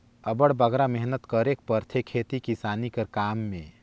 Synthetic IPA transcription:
əbəɽbəɡɾamɛɦnət̪kəɾek̚pəɾt̪ʰekʰːeːt̪ikisaːnikəɾkaːmːẽ

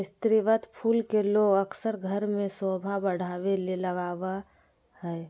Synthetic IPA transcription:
ɪst̪ɾɪʋət̪pʰuːlkeloːɡəksəɾɡʱəɾmẽsoːbʱabəɽ̤aːʋeleləɡaːʋa | hɛː

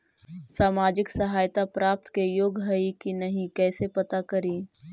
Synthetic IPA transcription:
saːmaːd͡ʒɪksɐɦaːjt̪apɾaːp̚t̪kejoːɡɦɐikinɐɦĩkɛːsepɐt̪akɐɾiː

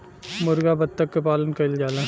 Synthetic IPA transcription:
mʊɾɡabɐd̪̚t̪ːəkːepaːlənkɐɪld͡ʒaːlãː

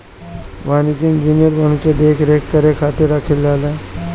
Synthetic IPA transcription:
ʋaːnikɪŋd͡ʒinjəɾbənked̪eːkʰɾeːkːəɾekʰaːt̪eɾəkʰɪlːaːleː

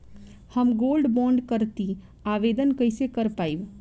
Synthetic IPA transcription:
həmɡoːlɖbɔ̃ːɳɖkəɾt̪i | aʋed̪ənkəɪsekəɾpaib

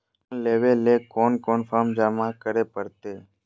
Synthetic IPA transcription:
leːʋeːleːkoːnkoːnfaːmd͡ʒaːmãːkəɾeːpəɾt̪eː

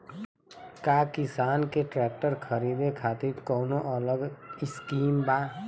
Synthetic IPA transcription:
kakɪsaːnkeʈɾɛːk̚ʈəɾkʰəɾiːd̪ekʰaːt̪iɾkɔːnoʔələɡɪskiːmbaː

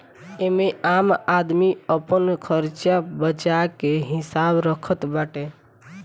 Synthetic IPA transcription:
emeamad̪miəpənkʰəɾt͡ʃjabət͡ʃakeɦɪsabɾəkʰət̪baʈe

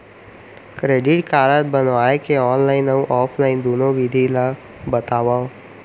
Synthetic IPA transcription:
kɾeːɖɪʈkaːɾət̪̚bənʋaːekeɔːnlaːɪnəũʔɔːpʰlaːɪnd̪oːnõʋid̪ʱila | bət̪aːʋao

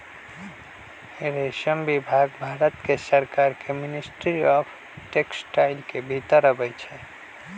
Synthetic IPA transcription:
eɾesəmbibʱaɡbʱaɾət̪kesəɾkaɾkeminisʈɾiɔpʰ | ʈeksʈaɪlkebʱit̪əɾəbɛjt͡ʃʰɛ

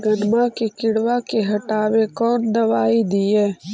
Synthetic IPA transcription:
ɡɐnmãkekɪɽwakeɦɐʈaːwekɔːnd̪ɐʋaːid̪ijeː

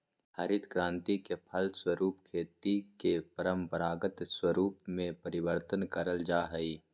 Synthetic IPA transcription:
həɾɪd̪kɾãːnt̪ikepʰəlswəɾuːpkʰeːt̪ikepɐɾəmpəɾaːɡət̪swəɾuːpmẽpəɾɪwəɾt̪ənkəɾəld͡ʒaːɦəiː

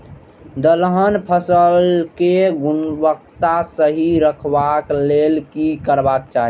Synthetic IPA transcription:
d̪əlɦənpʰəsəlkeɡunbək̚t̪asəɦiɾəkʰbaklelkikəɾbak̚t͡ʃaɦi

